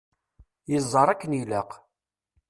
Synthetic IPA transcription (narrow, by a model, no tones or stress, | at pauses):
jəzˤːɑɾˤækːəniləq